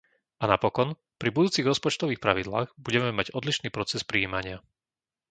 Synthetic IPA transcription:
ʔanapɔkɔn | pɾibud̪uːt͡siɣɾɔspɔt͡ʃt̪ɔʋiːxpɾaʋid̪laːɣbuɟɛmɛmaɟɔd̪liʃniːpɾɔt͡sɛspɾiːimaɲɪa

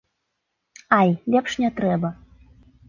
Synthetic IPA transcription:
ajlʲɛpʂnʲɛt̪ɾɛbə

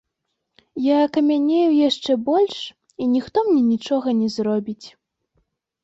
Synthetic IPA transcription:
jaːkɐmʲanʲejujaʂt͡ʂɛbɔlʲʂ | inʲixt̪ɔmnʲɛnʲit͡ʂɔɣɐnʲɛzɾɔbʲit͡sʲ

